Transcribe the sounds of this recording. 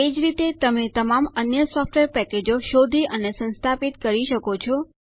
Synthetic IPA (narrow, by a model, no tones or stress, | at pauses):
ed͡ʒɾit̪et̪əmet̪əmamənjəsɔfʈʋeɾpɛked͡ʒoʃod̪ʱiʔənesə̃nst̪ʰapit̪kəɾiʃəkot͡ʃʰɔ